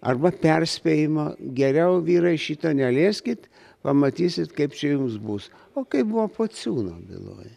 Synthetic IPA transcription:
ɐ̰rbɐpʲɛrʲsʲpʲejɪmoɡʲɛɾʲɛʊʋʲiːɾɐɪʃʲiːt̪ɐnʲɛlʲeːsʲkʲɪt̪ | pɐmɐt̪ʲiːsʲɪt̪kɐɪpt͡ʃʲɛjumsbus | oːkɐɪpbuʋopoːsʲuːno̰ːbʲɪ̰lˠo̰ːj

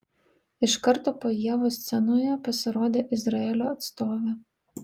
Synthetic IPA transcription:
ɪʃkɑɾt̪ɔpɔjɛʋɔst̪sɛnʊjɛpɔsɛɾɔd̪eʔɪzɾɐɛlʲɔːt̪st̪ɔʋʲɪ

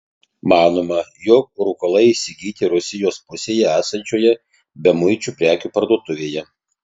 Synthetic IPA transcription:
mɑːnoːmɐjok̚ɾʊkɐlˠɐɪiʃsʲɪɡʲiːt̪ʲɪɾʊsʲɪjoːspʊsʲeːjɛæːsɐnʲt͡ʃʲoːjɛ | bʲɛmʊɪt͡ʃʲuːpʲɾʲæːkʲuːpɐɾd̪uɔt̪ʊʋʲeːjɛ

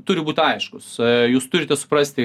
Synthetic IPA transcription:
t̪ʊɾʲɪbuːt̪ʲɐɪʃkʊsjuːst̪ʊɾʲɪt̪ʲɛsʊ̥pɾɐsʲt̪ʲɪ

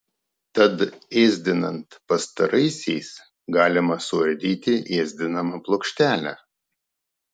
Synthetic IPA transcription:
t̪ɐt̪eːzʲd̪ʲɪnɐnt̪pɐst̪ɐɾɐɪsʲɛɪs | ɡɑːlʲɪmɐsʊɐɾʲd̪ʲiːt̪ʲɪʔeːzʲd̪ʲɪnɐmɐplˠoːkʃʲt̪ʲæːlʲæ̰

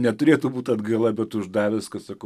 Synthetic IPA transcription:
nʲɛt̪ʊɾʲeɛt̪ʊbuːt̪ɐd̪ɡɐːlˠɐbʲɛt̪ʊʒd̪ɑːʋʲɪskɐsɐkɐ

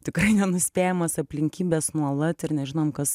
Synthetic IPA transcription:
t̪ʲɪkrɐɪnʲɛnʊsʲpʲæːjɛmɐsɐpʲlʲɪŋʲkʲiːbʲesnuɔlˠɐt̪ɪɾnʲɛʒʲɪnoːmkɐs

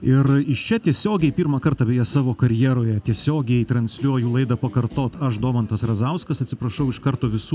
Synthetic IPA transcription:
ɪɾɪʃt͡ʃʲɛt̪ʲiɛsʲoːɡʲɛɪpʲiːrmɐkɐrt̪ɐːbʲeːjɛsɑːʋoːkɐɾʲjiːɾoːjɛt̪ʲiɛsʲoːɡʲɛɪt̪ɾɐnʲsʲlʲuɔjulˠɐɪd̪ɐpɐkɐrt̪oːt̪ɐʃd̪oːmɐnt̪ɐsrɐzɐʊskɐsɐt̪ʲsʲɪpɾɐʃɐʊɪʃkɐɾt̪oːʋʲɪsuː

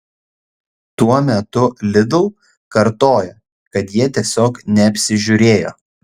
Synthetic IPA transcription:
t̪uɔmʲɛt̪ʊlʲɪd̪ʊː | kɐɾt̪oːjo | kɐt̪jiɛt̪ʲiɛsʲoːknʲɛɐpʲsʲɪʒʲʊɾʲeːjo̰ː

